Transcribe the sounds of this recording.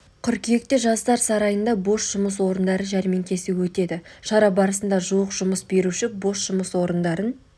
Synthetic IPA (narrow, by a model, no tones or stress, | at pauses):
kʲʰʏɾkʲʰije̞k̚t̪ɪʒɑst̪ɑɾsɑɾɑjənd̪ɑbo̞ʃʒ̥ʊməswo̞ɾənd̪ɑɾənʒæɾme̞ŋkʲʰe̞sɪwɵt̪e̞d̪ɪʃɑɾɑbɑɾəsənd̪ɑʒuwəqʒ̥ʊməsbe̞ɾuʃɪbo̞ʃʒ̥ʊməswo̞ɾənd̪ɑɾən